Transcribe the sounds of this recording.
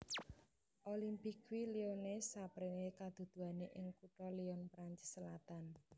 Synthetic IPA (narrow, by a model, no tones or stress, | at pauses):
ʔolimpikwilionesapɾeŋekad̪̥ṳd̪̥ṳaneʔɪŋkuʈɔliɔnpɾaɲt͡ʃɪ̥sːəlat̪an